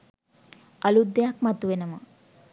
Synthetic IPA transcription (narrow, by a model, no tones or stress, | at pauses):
ʔɐlud̪ːejakmɐt̪uʋenəmɐ